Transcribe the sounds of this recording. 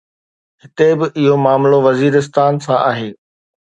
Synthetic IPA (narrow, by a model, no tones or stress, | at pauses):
ɦɪt̪ebɪʔɪɦomaːmloʋɐziːɾɪs̬t̪aːnsãʔa̰ːɦeː